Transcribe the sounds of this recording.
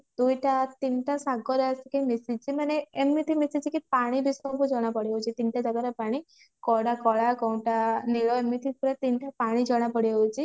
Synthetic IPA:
d̪̥ujʈat̪inʈasaɡɔɾasikemisid͡ʒt͡ʃʰimaneːmːit̪ʰimisit͡ʃʰikipaɽ̃ibisɔmkud͡ʒɔɽ̃apɔɽiɔwt͡ʃʰit̪inʈad͡ʒɔɡaɾepaɽ̃i | kɔɽakɔɽakɔ̃ʈaniɭɔemit̪ʰipuɾet̪inʈapaɽ̃id͡ʒɔɽ̃apɔɽiɔwt͡ʃʰi

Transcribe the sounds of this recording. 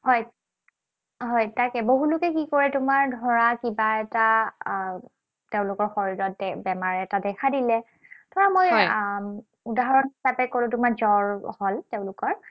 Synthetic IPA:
ɦɔj | ɦɔjtakɛboɦulʊkɛkikɔɹɛtʊmaɹdʱɔɹakibaɛta | teʊ̃lʊkɔɹxoɹiɹɔt̚dɛbɛmaɹɛtadɛkʰadilɛ | tʰɔɹamoj | udaɦɔɹɔnisapɛkoɹʊ̃tʊmaɹzɔɹhɔlteʊ̃lʊkɔɹ

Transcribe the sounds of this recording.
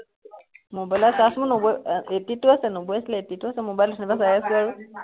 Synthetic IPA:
mobajlasasmʊnobɔjetitʊasɛnobɔjasilɛetitʊasɛmobajlusʰnibasajaskʊaɹʊ

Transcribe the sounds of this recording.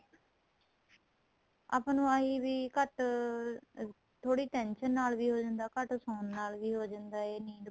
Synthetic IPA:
aːpːnũːaiːʋiːkəʈ | t̪ʰoːɽiːʈɛ̃ːnʃənːaːlʋiːɦoːd͡ʒãːnd̪aːkəʈsõːnːaːlʋiːɦoːd͡ʒãːnd̪aːeːniːd

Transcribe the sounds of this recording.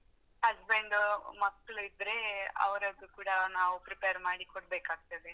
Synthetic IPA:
ɐsbeɳɖmɐkːɐɭuid̪ɾe̞ɐ̰ʋɐɾɐɡukuːɽɐnaːʋupɾipejɐɾmaːɽikoɽbeːkaːɡ̚t̪ɐd̪e

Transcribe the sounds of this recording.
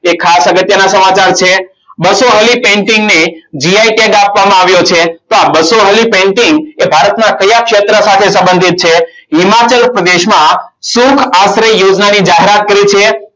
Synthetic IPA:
ekʰːasəɡət̪jənasəmat͡ʃaɾt͡ʃʰe | bəsoɦəlipẽɳʈɪŋɡned͡ʒiaiʈeɡapʋamãaʋjot͡ʃʰet̪oabəsoɦəlipẽɳʈiŋɡebʱaɾət̪nakəjakʃet̪ɾəsat̪ʰesə̃mbənd̪ʱit̪̚t͡ʃʰeɦimat͡ʃəlpɾəd̪eʃmãsukʰasɾejod͡ʒnanid͡ʒaɦeɾat̪̚kəɾit͡ʃʰe

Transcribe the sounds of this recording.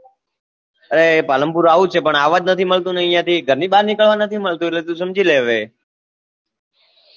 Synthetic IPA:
əɾepaləmpuɾaʋut͡ʃʰepəɳaʋad͡ʒnət̪ʰiməɭt̪ũnəĩjãt̪iɡʱəɾniɓaɾnɪkəɭʋanət̪ʰiməɭt̪ũet̪let̪ũsəmd͡ʒʱileʋe

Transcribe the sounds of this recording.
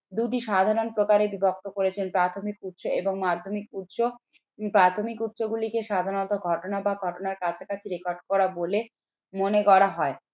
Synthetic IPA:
d̪uʈ̬iʃad̪ʱaɾonpɾokaɾebibok̚t̪okoɾet͡ɕʰenpɾat̪ʰomikut̪ʃoeboŋmad̪ʱːomikut̪ʃo | pɾat̪ʰomikut̪ʃoɡulikeʃad̪ʱaɾonot̪oɡʱɔʈonabaɡʱɔʈonaɾkat͡ɕʰakat͡ɕʰeɾekoɾɖ̚kɔɾabole | monekɔɽaɦɔe

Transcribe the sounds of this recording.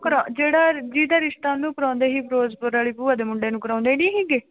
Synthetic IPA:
kəɾad͡ʒeːɽaːd͡ʒiːd̪aːɾɪʃt̪aːnũːkəɾɔ̃ːnd̪eːɦiːpɾoːzpəɾaːɭiːpuːaːd̪eːmʊɳɖeːnũːkəɾãːnd̪eːnĩːɦiːɡeː

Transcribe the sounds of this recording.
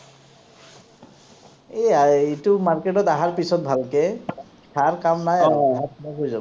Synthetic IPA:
eaitumaɹketɔtaɦaɹpisɔt̚bʱalkɛ | tʰaɹkamnajaaɦat̚bakojzab

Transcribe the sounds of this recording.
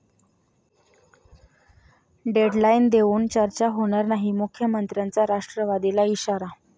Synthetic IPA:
ɖeɖlaind̪eʋuːnt͡ɕəɾt͡ɕaɦoɽ̃aɾnaɦimukʰjəmənt̪ɾjant͡saɾaʂʈɾəʋad̪ilaiɕaɾa

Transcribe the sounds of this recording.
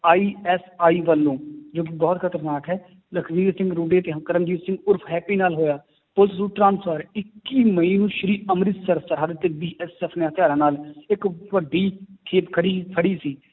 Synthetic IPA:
aːiːɛːsaːiːʋəlːõːd͡ʒoːk̬ɪbɔːt̪kʰət̪əɾnaːkɦɛː | ləkʰʋiːɾsɪ̃ŋɡɾuːɖeːt̪eːɦkəɾəmd͡ʒiːt̪sɪ̃ŋɡʊɾpʰɦɛːpiːnaːlɦoːjaː | pʊlt̪suːʈɾãːnsʰəɾɪkːiːməĩːnũːʃəɾiːəmɾɪt̪səɾsəɾɦaːd̪t̪eːbiːʔɛsɛːpʰneːɦət̪ɪjaːɾãːnaːlɪkʋəɖːiːkʰeːpkʰəɽiːpʰəɽiːsiː

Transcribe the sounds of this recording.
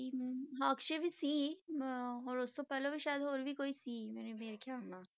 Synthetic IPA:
iɦãːkʃebʱisiː | ɔːɾʊsːopɛːlobʱiʃaːjəd̪ɦoːɾbʱikoːisiːmɛːnemeːɾekjana

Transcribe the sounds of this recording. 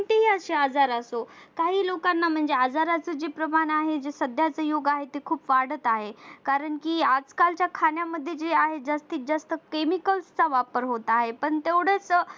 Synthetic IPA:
ɳt̪eɦiəɕead͡zaɾəso | kaɦiːlokanːam̤əɳd͡zead͡zaɾat͡səd͡ʑepɾəmanaɦed͡zesəd̪ʱjat͡səjoɡaɦet̪ekʰuːpʋaɽ̤ət̪aɦekaɾəɳkiad͡zkalt͡ɕjakʰanjaməd̪ʱːjed͡ʑeaɦed͡zəst̪iːt̪̚d͡zəst̪əkemikəlst͡saʋapəɾɦot̪aɦepəɳt̪eʋɽet͡s

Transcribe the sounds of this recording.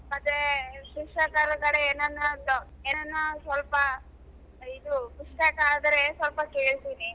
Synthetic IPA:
mɐt̪ʋeʃiʂakaːɾɐɡɐɽeeːnɐnːɐlːoeːnɐnːusʋɐlpɐ | id̪ubiʂʈaːkaːd̪ɐɾesʋɐlpɐke̞ːɭt̪iːni

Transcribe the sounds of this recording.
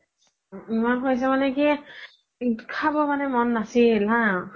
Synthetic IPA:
imankʰojs̬ɛmanɛki | kʰabɔmanɛmɔnːasilɦã

